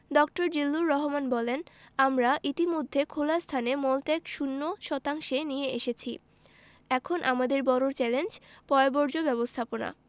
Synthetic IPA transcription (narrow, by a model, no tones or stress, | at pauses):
dɔk̚ʈoɾd͡ʑilːuɾːɔɦomanbɔlenamɾaʔit̪imod̪ʱːekʰolast̪ʰanemɔlt̪ɛkʃunːoʃɔt̪aŋʃenijeeʃet͡ɕʰḭ | ɛkʰonʔamad̪eɾbɔɾoɾt͡ɕɛlend͡ʑpɔebɔɾd͡ʑobɛbost̪ʰapona̰